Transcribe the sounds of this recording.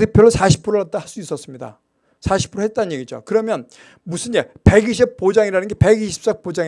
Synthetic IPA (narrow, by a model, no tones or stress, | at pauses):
tʰek̚pʰjʌɭːosʰaɕʰi̥pʰuɾɯɭat̚t͈ahas͈uis͈ʌs͈ɯmɲida̰ | sʰaɕʰi̥pʰuɾɯɭhɦe̞t̚t͈anɯɲje̞ɡid͡ʑo̰kɯɾʌmjʌn | musʰɯnd͡ʑepe̞ɡiɕʰip̚p͈od͡ʑaŋiɾanɯnɡepe̞ɡiɕʰi̥p̚s͈ʌk̚p͈od͡ʑai